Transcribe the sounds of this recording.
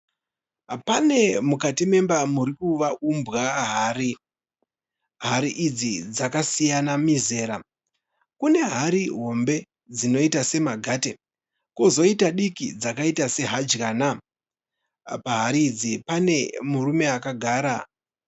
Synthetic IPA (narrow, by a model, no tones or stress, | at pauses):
pane̞mukatime̞mbamuɾikuʋaʔumbɣaɦaːri | ɦaɾiʔːd͡zid͡zakasijanamize̞ːɾa | kune̞ɦaɾiɦo̞mbe̞ | d͡zino̞itase̞maɡʱaːte | kozo̞itaɗikid͡zakaitase̞ɦad͡ʒkana | paɦaɾiːd͡zipane̞murume̞akaɡʱaːɾa